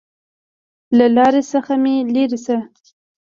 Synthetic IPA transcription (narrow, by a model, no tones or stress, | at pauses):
lalɑɾesəxameleɾisə